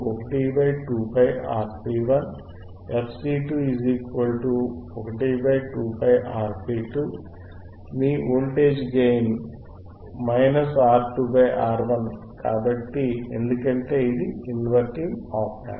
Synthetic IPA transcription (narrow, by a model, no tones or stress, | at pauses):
ɔkɐʈibɐjʈuːpʰɐjaːɾpiːʋɐn | epʰsiːʈuːiziːkʋɐlʈuɔkɐʈibɐjʈuːpʰɐjʔaːɾpʰiːʈuː | miːoːlʈeːd͡ʒɡejn | mɐjnɐsaːɾʈuːbɐjʔaːɾʋɐn | ka̰ːbɐʈːie̞nd̪ukɐɳʈe̞ːid̪iinʋɐɾʈimaːpna̰